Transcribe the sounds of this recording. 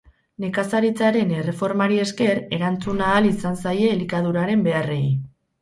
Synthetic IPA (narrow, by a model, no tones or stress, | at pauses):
ne̞kasaɾit͡saɾe̞ne̞re̞fo̞ɾmaɾie̞ske̞ɾe̞ɾant͡sunaːlisansaje̞ːlikað̞uɾaɾe̞mbe̞are̞j